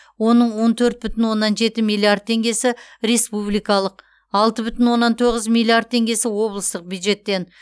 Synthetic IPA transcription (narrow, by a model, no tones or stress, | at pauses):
wo̞nəɴwo̞nt̪ʰɵɾt̪̚bʏt̪ɪnwo̞nːɑnʒe̞t̪ɪmilˠiard̪̚t̪ʰe̞ŋɡʲe̞sɪɾe̞spublijkɑlˠəq | ɑlˠt̪əbʏt̪ɪnwo̞nːɑnt̪ʰo̞ʁəzmilʲˠiard̪̚t̪ʰe̞ŋɡʲe̞sɪwo̞blˠəst̪əq̚bʲjud̪ʒe̞t̪ːe̞n